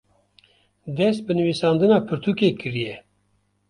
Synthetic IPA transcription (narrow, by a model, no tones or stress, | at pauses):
d̪ɛst̪̚bɨnɨviːsɑːnd̪ɨnɑːpʰɨɾt̪ʰukeːkɨɾijɛ